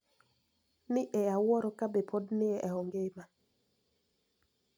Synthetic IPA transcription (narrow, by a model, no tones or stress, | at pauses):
nɪʔɛawɔɾɔkabepʰodnɪɛʔɛɔŋɡema